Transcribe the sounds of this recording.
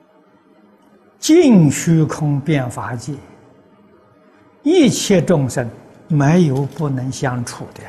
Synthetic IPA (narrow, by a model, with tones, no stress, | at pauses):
t͡ɕi˥˩ŋɕy˥kʰʊ˥ŋpjɛ˥˩nfa˧˥t͡ɕi˥˩ | i˥˧t͡ɕʰjɛ˥˧ʈ͡ʂʊ˥˧ŋʂə˥˩n | me˧˥ɪjo˧˥ʊpu˥˩nɤ˧˥ŋɕjɑ˥ŋʈ͡ʂʰu˨˩d̪ə˧˥˦